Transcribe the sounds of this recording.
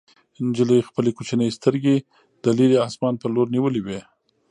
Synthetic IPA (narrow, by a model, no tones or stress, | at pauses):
ɪnd͡ʒələjxpəlekut͡ʃanəjst̪əɾɡe | d̪̥əliɾiɑsmɑnpəloɾniwəliwe